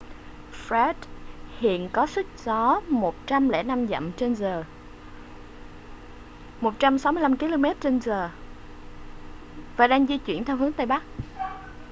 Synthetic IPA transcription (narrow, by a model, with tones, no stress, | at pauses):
fɾɛ˦˥t̚hḭ˧˨ənkɔ˨˦sɨ˦˥k̚zɔ˨˦mo˨˩t̚t͡ɕa˧mlɛ̰˧˩na˧mzə̰˧˨mt͡ɕe˧nzəː˨˩ | mo˨˩t̚t͡ɕa˧msa˨˦wmɨ˧la˧mki˧˦lo˧mɛ˦˥t̚t͡ɕe˧nzəː˨˩ | vaː˨˩ɗaː˧ŋzi˧t͡ɕwḭ˧˩ənt̪ʰɛ˧wɦɨ˨˦əŋt̪aː˧jɓa˦˥k̚